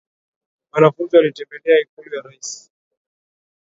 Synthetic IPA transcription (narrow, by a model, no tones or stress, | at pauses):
manafunzialitɛmbɛlɛaikulujaɾaisi̥